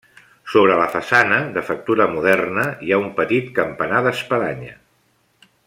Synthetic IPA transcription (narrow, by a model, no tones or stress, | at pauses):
soβ̞ɾələfəsanəðəfək̚t̪uɾəmuðɛrnəjaumpət̪it̪kəmpənaðəspəðaɲə